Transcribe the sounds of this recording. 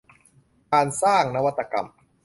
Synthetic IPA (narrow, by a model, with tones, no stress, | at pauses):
kaː˧nsaː˥˩ŋna˦˥wa˦˥t̪ːa˧ka̰˧m